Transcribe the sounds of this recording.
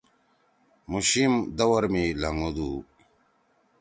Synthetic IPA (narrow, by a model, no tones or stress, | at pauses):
muɕimd̪ɐwɐɾmilɐŋod̪u